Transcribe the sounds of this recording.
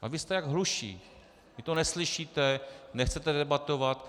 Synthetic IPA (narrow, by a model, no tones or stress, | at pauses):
avist̪ɛjaɡɦluʃḭː | vɪt̪onɛsliʃiːt̪ɛnɛxt͡sɛt̪ɛdɛbat̪ovat̪